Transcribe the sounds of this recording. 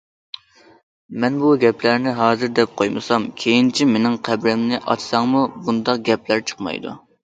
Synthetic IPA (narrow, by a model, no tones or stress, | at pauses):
mɛnbuɡʲɛplæɾnɪɦɑːzɨɾd̪ɛp̚qʰojmɨ̰sɑmkʲʰejint͡ʃʰimenɪŋqʰæbɾɛmnɪʔɑ̰t͡ʃ̪sɑŋmubund̪ɑq̚ɡʲɛplæɾt͡ʃʰə̥qmɑ̰jd̪ṵ